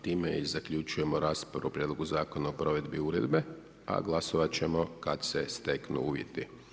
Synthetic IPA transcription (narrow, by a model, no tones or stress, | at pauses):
t̪iːmeizakʎut͡ʃuje̞mo̞ɾaːspaɾuopɾjed̪lo̞ɡuzaːko̞naopɾo̞ʋe̞d̪biuːɾe̞d̪be̞ | a̰ɡlˠaso̞ʋat͡ɕe̞mo̞kad̪sest̪eknṵuːʋjḛt̪i